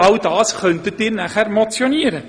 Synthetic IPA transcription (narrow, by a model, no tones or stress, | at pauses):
ɑldɑːsχœntət̚dɪːɾnæχæɾmot͡sjoniəɾə